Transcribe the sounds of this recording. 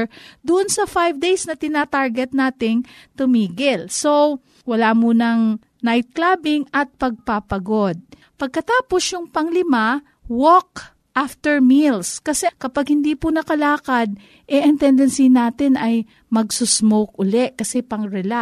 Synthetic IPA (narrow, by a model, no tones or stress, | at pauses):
d̪ʊʔonsɐfajvd̪ejsnɐt̪ɪnaːt̪aɹɡɛt̪̚naːt̪ɪŋt̪ʊmiːɡɪlso | wɐlaːmuːnɐŋ | najt̪̚klaːbɪŋʔɐt̪̚pɐɡ̚papɐɡo̞d̪̚ | pɐɡ̚kɐt̪aːpo̞sjʊŋpɐŋlɪma | wok̚ | ʔaft̪ɛɹmilskɐsɛkɐpaɡ̚hɪnd̪iːpʊnɐkɐlaːkɐd̪̚ | ʔɛʔɐŋt̪ɛnd̪ɛnsinaːt̪ɪnɐj | mɐɡsusmok̚ʔʊlɛʔkɐsɛpɐŋɹɛla